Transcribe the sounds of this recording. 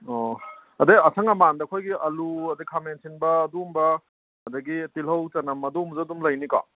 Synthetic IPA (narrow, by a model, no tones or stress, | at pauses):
ɔɐdeɐsʰɐŋɐmandɐkʰojɡiʔɐluɐdekʰamensʰinbɐːdumbɐ | ɐdɐɡitilɦɐwt͡ʃɐnɐmɐdumzadumlɐjnika̰